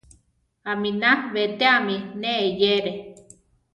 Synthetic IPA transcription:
aminaβet̪eamineʔːjeɾe

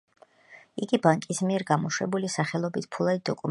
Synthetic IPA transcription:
iɡibaŋkʼismiɛɾɡamɔʃwɛbulisaχɛlˠɔbit̪̚ʰpʰulˠad̪id̪ɔkʼum

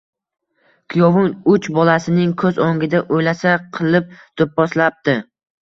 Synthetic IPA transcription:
kʰʊjɒvʊnʊt͡ʃbɒlasɪnɪŋkʰɵzoŋɡʲɪd̪aʔojlasaqʰɨlˠɪp̚t̪op̚ːɒslap̚t̪ɪ

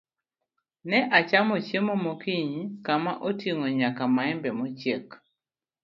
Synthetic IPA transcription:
nɛʔat͡ʃamot͡ʃjemomokiɲkamaʔotiŋoɲakamaɛmbɛmot͡ʃek

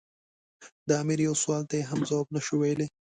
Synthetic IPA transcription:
d̪əamiɾjawswɑlt̪ajeɦamzawɑbnaʃuwejle

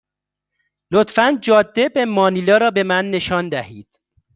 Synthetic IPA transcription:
lot̪fænd͡ʒɒːd̪ːebemɒːniːlɒːɾɒːbe̞mænːe̞ʃɒːnd̪æhiːd̪̥

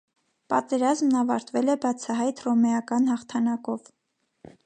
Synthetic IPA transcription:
pɑt̪ɛɾɑzmnɑvɑ̰ɾt̪vɛlɛbɑt͡sʰɑɦɑjt̪rɔmɛɑkɑnhɑχt̪ʰɑnɑkɔv

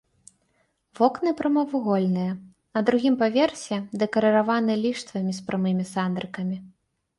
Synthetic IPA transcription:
vɔknɨpɾɐmɐvuɣɔlʲnɨjɐ | nɐd̪ɾuɣʲimpavʲeɛrsʲɛd̪ɛkɐɾɐɾavanɨlʲiʂt̪vɐmʲispɾʔɐmɨmʲisand̪ɾɨkɐmʲi

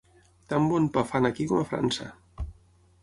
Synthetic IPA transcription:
t̪ambɔnpafanakikɔmafɾa̰nsə̰

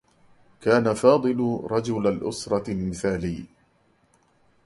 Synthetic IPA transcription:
kaːnafɑːd̪ˤɨlʊɾˤɑd͡ʒʊlalʔʊsɾˤɑlmɪθaːliː

